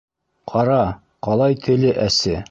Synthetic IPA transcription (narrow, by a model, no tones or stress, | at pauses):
qʰɑɾɑ | qɑlˠɑjt̪ʰɵ̆lɘʔæsɘ